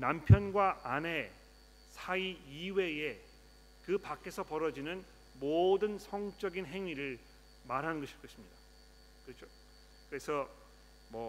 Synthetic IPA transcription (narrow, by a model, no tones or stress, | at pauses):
nampʰjʌnɡwaʔane̞ | sʰaiiwe̞je | kɯpak͈ʰe̞sʰʌpʌɾʌd͡ʑinɯn | modɯnsʰʌŋt͡ɕ͈ʌɡinɦe̞ŋiɾɯɭ | maɾɦanɯnɡʌɕʰi̥k͈ʌɕʰimɲida | kɯt͡ɕʰo | kɯɾe̞sʰʌ | mwʌ